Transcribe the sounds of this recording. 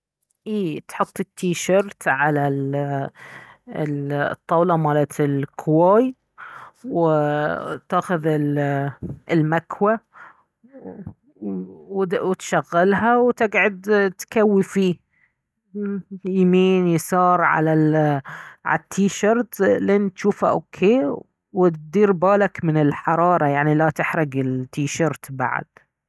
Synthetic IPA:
ʔiːt̪ħʊt̪ˤːɪt̪ʰːiːʃɑɾt̪ʕalal | t̪ˤːɑwlɑmaːlat̪ʰɪlkʰwaːj | w | t̪aːxʊðɪl | ɪlmakwa | wt̪ʃaɣːɪlɦawt̪ɪɡʕʊd̪t̪kawːifiː | jmiːnjsɑːɾˤʕa̰la | ʕa̰t̪ʰːiːʃɑɾˤt̪leːnt̪ʃuːfha̰ʔokʰːeː | wɪt̪̚d̪iːɾbaːlakmɪnɪlħɑɾˤɑːɾˤɑjaʕnilat̪ɪħɾɪɡɪlt̪ːiːʃɑɾˤt̪ba̰ʕ̰d̪̥

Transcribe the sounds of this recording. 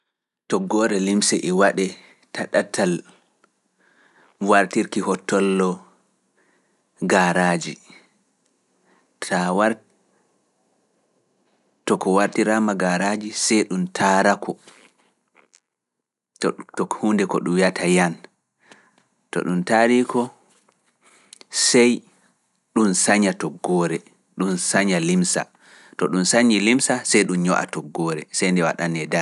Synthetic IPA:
tɔɡɔːɾɛlimsɛʔɛwaɗɛ | taɗatʰal | waɾtiɾkihɔtːɔlːɔ | ɡaɾad͡ʒi | tʰawa | tɔkɔwaɾtiɾamaɡaɾad͡ʒisɛjɗumtʰaɾakʰɔ | ttɔkhuːndɛkɔɗumjatʰajan | tɔ̰ɗumtaɾikɔ | sɛj | ɗunsaɲatɔɡːɔːɾɛ | ɗunsaɲalimsa̰ | tɔɗunsaɲilimsasɛjɗumɲɔʔa̰tɔɡːɔːɾɛ̰sɛjndɛwa̰ɗanɛda

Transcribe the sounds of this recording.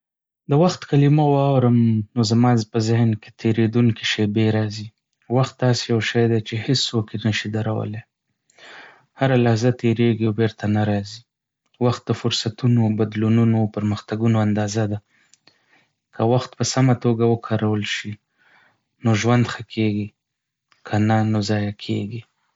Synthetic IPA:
d̪əwaxt̪kalimowɑwɾəmnozamɑzpəzɪhnke̥t̪ʰeɾed̪uŋki̥ʃebeɾɑzi | waxt̪̚d̪ɑsejawʃajd̪et͡ʃehɪsːokenəʃid̪aɾawə̰le | haɾalahzat̪ʰeɾeɡiawbeɾt̪anaɾɑzi | waxt̪̚d̪əfʊɾsat̪unobad̪lununopəɾməxt̪aɡunoand̪ɑzad̪a | kʰəwaxt̪pəsamat̪oɡawəkʰɑɾawəlʃi | noʒwand̪xəkʰeɡi | kʰananozɑjakʰeɡi

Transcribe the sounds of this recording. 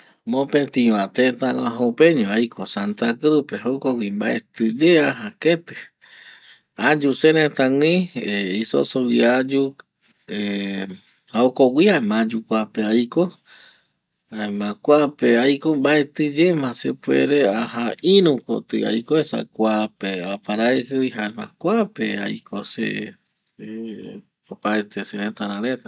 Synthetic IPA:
mõpet̪ĩwãt̪et̪aŋãɦopẽɲõajkʰosant̪akɾupeɦokowimbaet̪ɨd͡ʒeaɦaket̪ɨ̥ | ad͡ʒuseɾet̪ãw̃ĩeiso̰sowiad͡ʒu | e | haokowiamãd͡ʒukʷapeajko | aemãkʷapeajkombaet̪ɨd͡ʒemãsḛpwḛɾeahainũko̰t̪ɨ̰a̰jkoesa̰kʷapeapaɾaehɨihaemã̰kʷapeajkʰosḛ | opaet̪ʰeseɾẽt̪aɾãɾet̪a

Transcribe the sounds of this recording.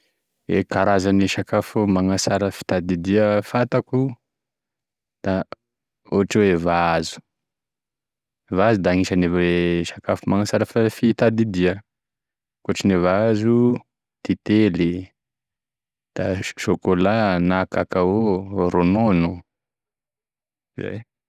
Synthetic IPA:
ḛkaɾazaniʃakafumaŋasaɾəfi̥t̪ad̪id̪iəfat̪aku | d̪̥a | oaʈ͡ʂewevaazu̥ | vazud̪aŋiʃaniveʃakafumaŋasaɾəfafit̪ad̪id̪iə | koʈ͡ʂinevazu | t̪it̪eli | d̪̥aʃokolanakakaoɾononu | iza̰j

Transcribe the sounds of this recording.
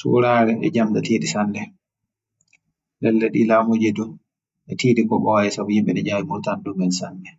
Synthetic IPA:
sṵːɾaɾɛʔɛ̰d͡ʒamdatiːdisandɛ | lɛlːɛɗilaːmod͡ʒedu | ɛtiːdikɔɓɔjɛsabɔhimɓɛnɛd͡ʒajimutandumɛnsandɛ

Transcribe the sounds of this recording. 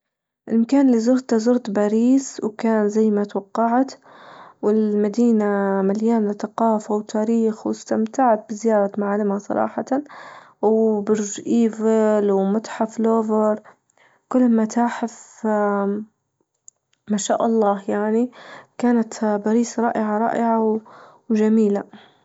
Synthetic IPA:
ʔɪlmakaːnɪlːizʊɾt̪azʊɾt̪baːɾiːswkaːnzajːmat̪wɑqːɑʕt̪wɪlmad̪iːnamaljaːnθaqɑːfawt̪ʰaːɾiːxwɪst̪amt̪aʕat̪̚bɪzɪjɑːɾˤɑmaʕalɪmasˤɑ̰ɾˤɑ̰ːħɑt̪a | wbʊɾʒʔiːvɪlwmʊt̪ħafloːvɑɾˤ | kʊlːmat̪aːħɪf | maʃaːʔɑlˤːɑːhjaʕnikaːnat̪baɾiːsɾˤɑ̰ːʔɪʕaɾˤɑ̰ːʔɪʕaw | wʒamiːla

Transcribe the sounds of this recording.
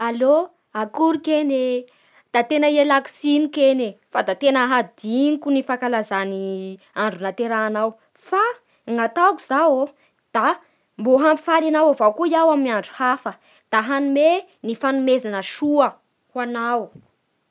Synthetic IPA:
alo | akuɾukene | d̪̥at̪enəielaksinukenefad̪at̪enəɦad̪iŋkunifakalazani | aɳɖ͡ʐunat̪eɾaːnaw | fa | ŋat̪akuz̥awo | d̪̥a | mboɦampi̥falanawavawkuijawaminaɳɖ͡ʐu̥hafə | d̪̥aɦanume | nifanumezanəʃuə | hwanaw

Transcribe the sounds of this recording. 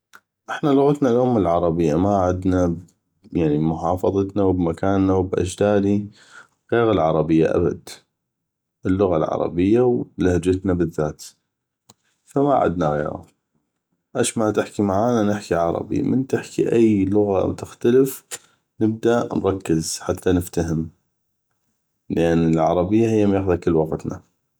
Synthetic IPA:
ʔɪħnalʊɣat̪nalʔʊmɪlʕɑɾˤɑbɪjːamaʕɪd̪na | jaʕnibmʊħɑːfɑðˤɑt̪nawbmakaːnːawbʔa̰d͡ʒd̪aːd̪i | ɣeːɣalʕɑɾˤɑbɪjːa̰ʔa̰ba̰d̪ | ɪlːʊɣa̰lʕɑ̰ɾˤɑ̰bɪjːawlahd͡ʒat̪nabɪðːaːt̪ | famaʕa̰d̪naɣḛːɣa̰ | ʔaʃmat̪ɪħkimaʕaːnanɪħkiʕɑɾˤɑ̰bḭmɪnt̪ɪħkiʔajlʊɣa̰mt̪ɪxt̪aləf | nɪb̚d̪aʔnɾˤɑkːɪzħat̪ːanɪft̪ahɪm | ləʔanːɪlʕɑɾˤɑbɪjːahɪjːamjaxðakɪlːwɑqt̪na̰

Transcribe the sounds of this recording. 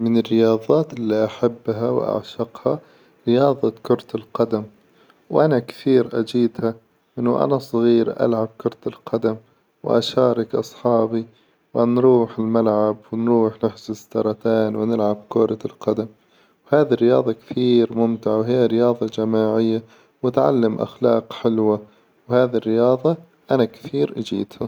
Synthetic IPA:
mɪnɪrːɪjɑːðˤɑːt̪ʔɪlːiʔaħabːɦaw̰ʔa̰ʕʃɑqhɑ | ɾɪjɑːðˤɑkʊɾˤt̪alqɑd̪am | wʔanakθiːɾʔa̰d͡ʒiːd̪ha | ʔɪnːʊʔa̰nasˤɣiːɾʔa̰lʕab̚kʊɾˤt̪alqɑd̪am | wʔa̰ʃɑːɾˤɪkʔɑ̰sˤħɑːbi | wʔanɾuːħɪlmalʕabwɪnɾuːħnɪħzʊt̪ːɑɾˤɑt̪aːnwɪnɪlʕab̚kʊɾˤɑlqɑd̪am | whaːðirːɪjɑ̰ːðˤɑkθiːɾmʊmt̪ɪʕawɦɪjːaɾɪjɑːðˤɑd͡ʒamaːʕɪjːa | wat̪ʕa̰lːamʔa̰xlɑ̰ːqħɪlwa | whaːðirːɪjɑːðˤɑ | ʔanakθiːɾʔad͡ʒḭːd̪ha

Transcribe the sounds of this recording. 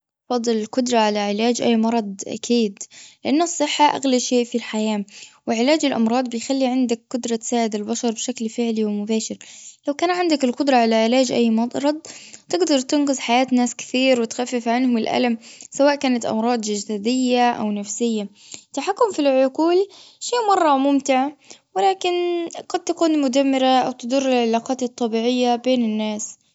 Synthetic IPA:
ʔʔɑfɑd̪ˤːɨlɪlqʊd̪ɾˤɑʕalaʕɪlaːd͡ʒʔa̰jːmɑɾˤɑd̪ˤʔa̰kʰiːd̪lɪʔanːɑsˤːɨħːaʔa̰ɣlaʃeːʔfilħajaːwɪʕɪlaːd͡ʒɪlʔɑ̰mɾˤɑːd̪ˤbɪjxalːiʕɪnd̪akːʊd̪ɾˤɑt̪saːʕɪd̪albaʃɑɾˤbʃaklfɪʕliwɪmʊbaːʃɪɾlawkaːnʕɪnd̪akɪlqʊd̪ɾˤɑʕalaʕɪlaːd͡ʒʔa̰jːmɑɾˤɑd̪̚ˤt̪ɪɡd̪ɑɾˤt̪ɪnqɪzˤħajaːt̪naːskɪ̥θiːɾwɪt̪xafːɪfʕanhʊmɪlʔa̰lamsawaːʔkaːnat̪ʔɑ̰mɾˤɑːd̪ˤd͡ʒad͡ʒd̪aːd̪ɪjːaʔa̰wnafsɪjːa | t̪ːaħakːʊmfilʕʊquːlʃiːʔmɑrˤːɑmʊmt̪ɪʕwɪlaːkɪnɡɑd̪̚t̪akuːnmʊd̪amːɪɾaʔawt̪ɪd̪ʊrːɪlʕalaːqɑːt̪ɨt̪ˤːɑbiːʕɪjːabeːnɪnːaːs

